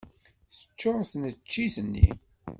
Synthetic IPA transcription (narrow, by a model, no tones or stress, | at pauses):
θə̥t͡ʃːoʁsənt͡ʃːiθənːḭ